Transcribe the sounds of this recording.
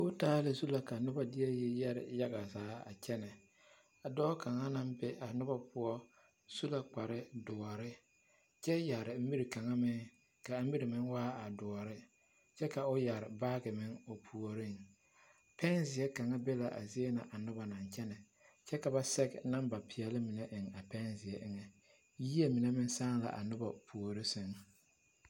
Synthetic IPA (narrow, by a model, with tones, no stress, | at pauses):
ʊ˦taː˦lɪ˨˦su˦la˨ka˨nʊ˦ba˦dɪ˦ɛ˦jɛ˦jɛ˦ɾɪ̰˨ja˦ɡa˨zaː˨˦a̰˨t͡ʃɛ˦nɛ˨ | a˨dɔː˦ka˨ŋa˦na˦mbɪ˦a˨nʊ˦ba˦pʊ˦ɔ˦ | su˦la˨k͡pa˨ɾɪ˦dʊ˨ɔ˨ɾɪ˦ | t͡ʃɛ˦ja˨ɾɪ˨m̩˦mi˦ɾi˨ka˨ŋa˦mɪ˦ŋ | ka˨m̩˦mi˦ɾɪ˨mɪ˦ŋwaː˦a˨dʊ˨ɔ˨ɾɪ˦ | t͡ʃɛ˦ka˨ʊ˦ja˨ɾɪ˨baː˦ɡɪ˨mɪ˦ŋo˨pʰu˨o˨ɾɪ˦ŋ | pɛ˦nzɪ˨ɛ˦ka˨ŋa˦bɛ˦la˨ʔa̰˨zɪ˦e˦na˨ʔa˨nʊ˦ba˨na˨ɲt͡ʃɛ˦nɛ˨ | t͡ʃɛ˦ka˨ba˨˦sɛ˦ɡna˦mba˨pʰɪ˨ɛ˨lɪ˦mɪ˨nɛ˦ʔɪ˨ŋa˨pɛ˦nzɪ˨ɛ˦ʔɪ˦ŋɛ˨ | jiː˦e˦mi˨ne˦mɪ˦n˦saː˦ŋ˦la̰˨ʔa̰˨nʊ˦ba˨pʰu˨o˨ɾɪ˦se˨n